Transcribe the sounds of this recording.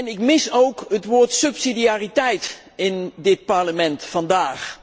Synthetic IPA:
nɪkmɪsowkɦətʋoːɹtsɵpsidiaːritɛjt | ɪndɪt̚pɑɹləmɛntfɑndaːχ

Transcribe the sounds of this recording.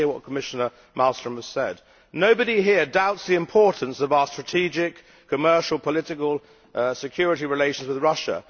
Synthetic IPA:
ɪəwʌt̚kʰəmɪʃənə˞ | malˠstɹ̥ə̃məz̥sɛdⁿ | noʊbəɾiɦɪəɹdaʊtsðiɨ̃mpʰɔˑɹʔn̩səvaəstɹ̥ətʰid͡ʒɪkʰ | əmɜˑ˞ʃəl̩ˠpʰəlɪɾɪkəlˠ | sɪkʰj̥ɔɹɨɾiɹɪleɪʃə̃n̩zwɪðɹʌʃə̰

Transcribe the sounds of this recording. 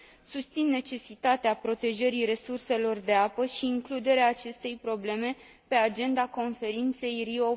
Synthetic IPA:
sust̪sinːe̞t͡ʃe̞sit̪at̪eapɾo̞t̪e̞ʒəɾiɾe̞surse̞lo̞rd̪e̞apəʃiːŋklud̪e̞ɾeaːt͡ʃe̞st̪e̞jpɾo̞ble̞me̞ | pe̞ad͡ʒe̞nd̪ako̞nfe̞ɾint̪se̞jrio

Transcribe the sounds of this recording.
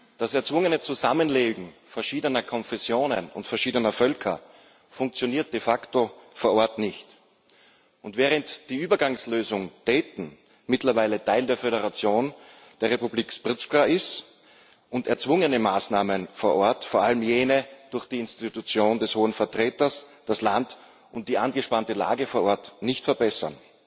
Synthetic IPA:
d̥asɛɐt͡sv̥ʊŋənət͡suzamənleːɡŋ̩fɛɐʃiːdənɐkʰɔnfɛsjoːnə̰nʊ̰ntfɛɐʃiːdənɐfœlkʰɐ | fʊŋk̚t͡sjoniːɐt̚d̥efaktofoːɐʔɔɐtnɪçt | ʔʊntvɛːʁəntd̥iːʔyːbɐɡaŋsløːzʊŋd̥ɛːtn̩ | mɪtlɐvaɪlətʰaɪldeːɐfeɾəʁat͡sjoːn | d̥eːɐʁepubliːkspʁɪt͡skʁaʔɪst | ʔʊntɛɐt͡sv̥ʊŋənəmaːsnaːmənfoːɐʔɔɐtfoːɐʔaləm̩jeːnəd̥ʊɐxd̥iːɪnstitut͡sjoːndɛshoːənfɛɐtʁ̥eːtɐsd̥aslant | ʔʊnt̚d̥iːʔanɡəʃpantəla̰ːɡəfoːɐʔɔɐtnɪçtfɛɐbɛsɐ̰n

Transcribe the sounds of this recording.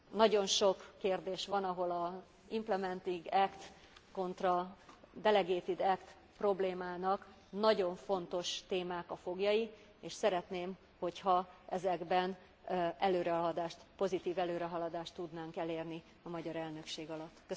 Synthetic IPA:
nɒɟo̞nʃo̞kːeːrd̪eːʃʋɒnɒɦo̞lɒ | implɛmɛnt̪iŋɡɛkt̪ | ko̞nt̪rɒd̪ɛlɛɡeːt̪id̪ɛkt̪ | pro̞bleːmaːnɒk | nɒɟo̞ɱfo̞n̪t̪o̞ʃt̪eːmaːkɒfo̞ɡjɒji | eːʃsɛɾɛt̪neːm | ho̞chɒʔɛzɛɡbɛn | ʔɛløːɾɛɒlɒd̪aːʃt̪po̞zit̪iːvɛløːɾɛɦɒlɒd̪aːʃt̪ːud̪naːŋkɛleːrni | ɒmɒɟɒɾɛlnø̞kʃeːɡɒlɒt̪ːkːø

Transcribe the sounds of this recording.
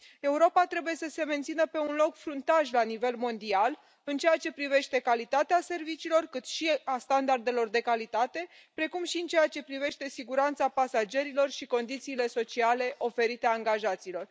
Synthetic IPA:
e̞uɾo̞pat̪ɾe̞buje̞səse̞ment̪sinəpe̞unlo̞kfɾunt̪aʒlanive̞lmo̞nd̪ial | ɨnt͡ʃejat͡ʃe̞pɾive̞ʃt̪e̞kalit̪at̪ease̞rvit͡ʃiːlo̞rkɨt̪ʃiast̪and̪ard̪e̞lo̞rd̪e̞kalit̪at̪e̞ | pɾe̞kumʃiɨnt͡ʃe̞jat͡ʃe̞pɾive̞ʃt̪e̞siɡuɾant̪sapasad͡ʒe̞ɾilo̞rʃiko̞nd̪it̪siːle̞so̞t͡ʃiale̞ʔo̞fe̞ɾit̪eaŋɡaʒat̪siːlo̞r

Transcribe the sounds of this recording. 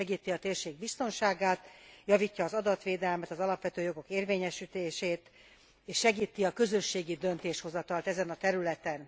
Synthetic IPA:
ɛɡiːt̪iɒt̪eːrʃeːɡ̚bist̪o̞nʃaːɡaːt̪jɒvicːɒːzɒd̪ɒt̪ʋeːd̪ɛlmɛt̪ɒzɒlɒpʋɛt̪øːjo̞ɡo̞keːrveːɲɛʃit̪eːʃeːt̪ | eːʃːɛɡiːt̪ːiɒkø̞zø̞ʃːeːɡid̪ø̞nt̪eːʃho̞zɒt̪ɒlt̪ɛzɛnɒt̪ɛɾylɛt̪ɛn

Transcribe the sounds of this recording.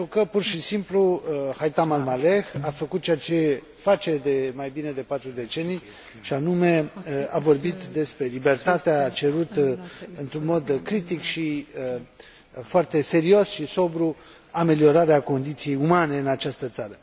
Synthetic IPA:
ent̪ɾukəpurʃisimpluhajt̪amalmale̞xafəkut̪̚t͡ʃeat͡ʃe̞ | fat͡ʃe̞d̪e̞majbine̞d̪e̞pat̪ɾud̪e̞t͡ʃe̞nij | ʃianume̞avo̞rbit̪d̪e̞spɾe̞libe̞rt̪at̪eaːt͡ʃe̞ɾut̪ɨnt̪ɾunmo̞d̪kɾit̪ikʃi | foart̪e̞se̞ɾio̞sʃiso̞bɾu | ame̞lio̞ɾaɾeako̞nd̪it̪sije̞jumane̞ɨnat͡ʃast̪ət̪saɾə

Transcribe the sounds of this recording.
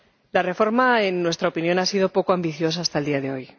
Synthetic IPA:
lare̞fo̞ɾmaenːwe̞st̪ɾaopinjõ̞nasiðo̞po̞koambiθjo̞s̬aːst̪aeld̪iaðe̞o̞j

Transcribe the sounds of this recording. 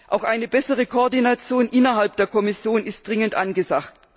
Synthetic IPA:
ʔaʊxʔaɪnəbɛsəʁ̞əkʰoːɐdinat͡sjoːnʔɪnɐɦalp̚d̥eːɐkʰɔmɪsjoːnɪst̚d̥ʁɪŋəntʔanɡəzakt

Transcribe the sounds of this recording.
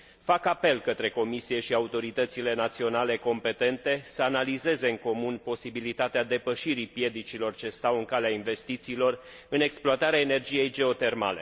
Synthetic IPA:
fakape̞lkət̪ɾe̞ko̞misije̞ʃiaut̪o̞ɾit̪ət̪sile̞nat̪sio̞nale̞ko̞mpe̞t̪e̞nt̪e̞səanalize̞ze̞ɨŋko̞munpo̞sibilit̪at̪ead̪e̞pəʃiɾipje̞d̪it͡ʃilo̞rt͡ʃe̞st̪awɨŋkaleainve̞st̪it̪siːlo̞r | ɨne̞ksploat̪aɾeaene̞rd͡ʒije̞jd͡ʒe̞o̞t̪e̞rma̰le̞̰

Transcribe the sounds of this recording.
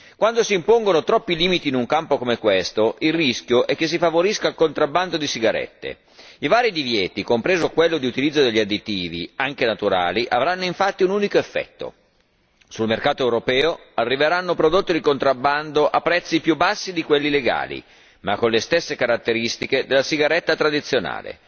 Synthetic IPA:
kwand̪osiːmpoŋɡonot̪ɾɔpːiliːmit̪iːnuŋkampokomekwest̪oʔilrisk̟joʔɛk̟ːes̬ːifavoɾiskalkont̪ɾabːand̪od̪isiɡaɾɛ̰t̪ːḛ | ivaːɾid̪ivjɛːt̪ikompɾeːzokwelːod̪iut̪ilid̪zːod̪eʎːad̪it̪iːvḭaŋkenat̪uɾa̰ːliʔavɾanːoiɱfat̪ːiunuːnikoefːɛ̰t̪ːo̰ | sulmerkaːt̪oewɾopɛːoarːiveɾanːopɾod̪ot̪ːid̪ikont̪ɾabːand̪oʔapːɾɛt̪sːipjubːasːid̪ikwelːileɡa̰ːlḭ | makːonlest̪esːekaɾat̪ːeɾist̪iked̪elːasiɡaɾɛt̪ːat̪ɾad̪it̪sːjona̰ːlḛ

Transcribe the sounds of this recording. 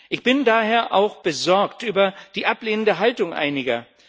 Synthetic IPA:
ʔɪçb̥ɪndaːɦeːɐʔaʊxb̥əzɔɐktʔyːbɐd̥iːʔapleːnəndəɦaltʊŋʔa̰ɪnɪɡɐ

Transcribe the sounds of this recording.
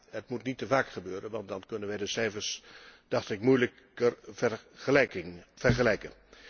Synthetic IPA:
ɦətmutnitːəvaːkχəbøːɾənʋɑntdɑnkɵnənʋɛjdəsɛjəɹsd̥ɑtɪkmujlək | ə | ŋv̥əɹχəlɛjkən

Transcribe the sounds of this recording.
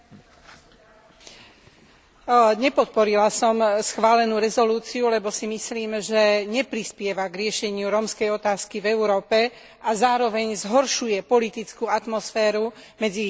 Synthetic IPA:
ɲɛpɔt̪̚pɔɾilasɔmsxʋaːlɛnuːɾɛzɔluːt͡siulɛbɔsimisliːmʒɛɲɛpɾispɪɛʋaɡɾɪɛʃɛɲɪuɾɔmskɛjɔt̪aːskivɛuɾɔːpɛ | azaːɾɔʋɛɲzɦɔɾʃujɛpɔlit̪it͡skuːat̪mɔsfɛːɾumɛd͡zi

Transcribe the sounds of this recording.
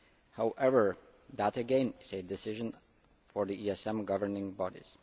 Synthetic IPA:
haʊʔɛvə˞ | ðəɾɨɡɛ̃nɪzɨdɨsɪʒə̃n | fɔɹðiiɛsɛ̃mɡʌvə˞nɪ̃ŋbɑɾḭz̥

